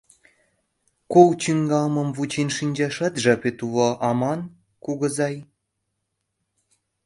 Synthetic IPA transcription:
kowt͡ɕyŋɡɑmɤ̆mvut͡ɕenʃinʲd͡ʑɑʃɑt̪ʒɑpet̪uβoʔɑmɑn | kuɣɤ̆zɑj

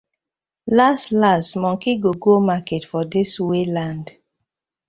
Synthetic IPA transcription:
lastlastmɔ̃ŋkiɡoɡomaketfɔdiswelãnd

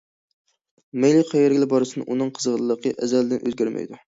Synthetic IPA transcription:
mejlˠiqʰæjeɾɡʲɪlɪbɑɾɨsɨnɨ̰ʔunɨŋqʰəzʁəlɨlˠəqʰːəʔɛzæld̪ɪnʔø̰zɡʲæɾmʔæ̰jd̪u

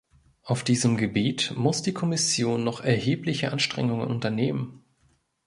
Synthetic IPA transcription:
ʔaʊfd̥iːzəmɡəbeːtmʊsd̥iːkʰɔmɪsjoːnːɔχɛɐheːplɪçəʔanʃtʁ̥ɛ̰ŋʊŋə̰nʔʊntɐneːmən

